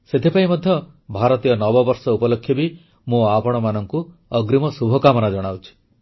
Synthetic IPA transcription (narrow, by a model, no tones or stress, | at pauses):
set̪ʰipaimɔd̪ʱjɔ | bʱaɾɔt̪ijɔnɔbɔbɔɾsɔupɔlokʰːjɔbi | mũapɔɽ̃ɔmanɔŋku | ɔɡɾimɔsubʱɔkamɔnad͡ʒɔɽ̃awt͡ʃʰi̥